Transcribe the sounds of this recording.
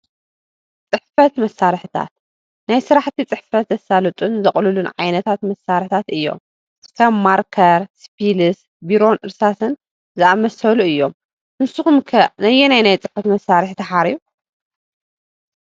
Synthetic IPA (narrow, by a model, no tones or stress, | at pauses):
t͡sʼɨħfɐt̪mɐsːaɾħt̪ʰa̰t̪̚ | najsɨɾaħt̪ʰit͡sʼɨħfɐt̪zɐsalɐt̪ʼunzɐχʼlulunʕa̰jnɐt̪ʰat̪mɐsːaɾħt̪ʰat̪ɨjːo̞̰m | kʰɐmːaɾkʰɐɾspʰilɨs | biɾo̞nʔɨɾsasɨn | zɨamɐsɐluɨjːo̞m | nɨsuxumkʰɐnɐjɛnajnajt͡sʼɨħfɐt̪mɐsːaɾɨħt̪ʰɐħaɾiu